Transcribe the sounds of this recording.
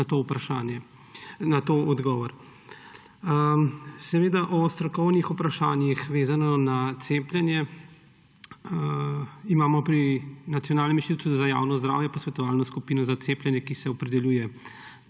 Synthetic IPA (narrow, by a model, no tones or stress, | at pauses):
at̪oupɾaʃaːnjɛ | nat̪oːɔd̪ɡɔːʋɔɾ | sɛʋeːd̪aʔɔst̪ɾɔkɔwnixupɾaʃaːnjixʋeːzanɔnat̪seːplʲjɛnjɛ | imaːmɔpɾinat̪sijɔnaːlnɛminʃt̪it̪ut̪uzaja̰ːwnɔzd̪ɾa̰ːwjɛpɔsʋɛt̪ɔʋaːlnɔskupiːnɔzat̪seːplʲjɛnjɛkisɛɔpɾɛd̪ɛljuːjɛ